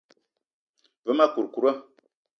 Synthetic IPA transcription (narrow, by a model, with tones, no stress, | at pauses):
və˦ma˦ku˨ɾku˨ɾa˦